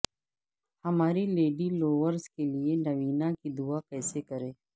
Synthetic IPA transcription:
hɐmaːɾileːɖiloːʋəɾzkelienɐʋiːnãkid̪uakɛːsekɐɾẽː

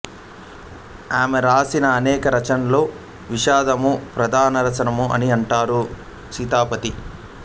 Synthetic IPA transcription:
aːmeɾaːsinɐːnɛːkɐɾɐt͡ʃɐnlo̞ː | ʋiʃaːd̪ɐmupɾɐd̪ʱaːnɐɾɐt͡ʃɐnɐmuʔɐniɐɳʈaːɾu | sit̪aːpɐt̪i

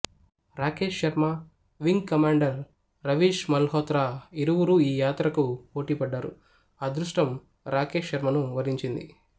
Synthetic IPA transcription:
ɾaːkeːʂːɐɾmɐ | ʋiŋɡkɐmaːɳɖɐɾː | ɐʋiːʃmɐlɦɔːt̪ɾaːiɾuʋuɾuiːjaːt̪ɾɐkupo̞ːʈiːpɐɖːaːɾṵ | aːd̪ɾuʂʈɐm | ɾaːkeːʂʃɐɾmɐnuʋɐɾiɲt͡ʃind̪ḭ

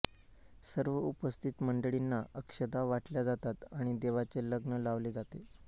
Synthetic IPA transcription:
səɾʋəupəst̪ʰit̪məɳɖəɭinːaʔəkʂəd̪aʋaʈljad͡zat̪at̪aɽ̃id̪eʋat͡seləɡnəlaʋled͡zat̪e

